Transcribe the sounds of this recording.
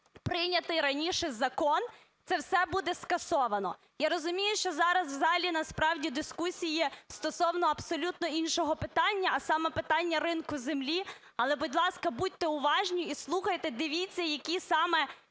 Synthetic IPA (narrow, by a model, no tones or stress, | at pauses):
pɾɪnʲɐt̪ɪjɾɐnʲiʃɛzɐkɔn | t̪sɛwsɛbud̪ɛskɐsɔʋɐnɔ̰ | jaɾɔzʊmʲijʊʃt͡ʃɔzɑɾɐswzɑɦɐlʲinɐspɾɑwdʲid̪ɪskusʲijist̪ɔsɔwnɔɐpsɔlʲut̪nɔinʃɔɦɔpɪt̪ɑnʲːɐɐsɑmɛpɪt̪ɑnʲːɐɾɪnkʊzemlʲi | ɐlˠɛbɔdʲlˠɑskɐbud̚ʲt̪ɛʊʋɑʒnʲiislˠuxɐjt̪ɛd̪ɪʋʲit͡sʲːjɐkʲisɑmɛ